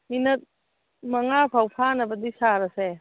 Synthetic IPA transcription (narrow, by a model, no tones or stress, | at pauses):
minɐt̚ | mɐŋapʰawpʰanɐbɐdisaɾɐse